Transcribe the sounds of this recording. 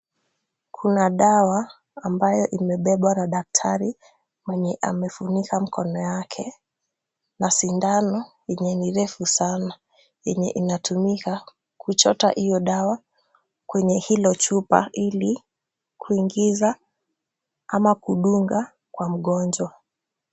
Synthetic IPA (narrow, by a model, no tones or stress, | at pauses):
kʰunaɗawaː | mbajɔʔimɛɓɛɓwanaɗak̚tʰaɾi | maɲɛʔa̰mɛfunikam̩kʰɔnɔjakʰɛ | nasindanɔjɛɲɛniɾɛfusana | jɛɲɛ̰ʔinatʰumika | kʰut͡ʃɔta̰hijɔɗawa | kwɛɲɛhilɔt͡ʃupa̰ʔili | kʰuiŋɡiza | amakuɗuŋɡa | kwam̩ɠɔnd͡ʒwa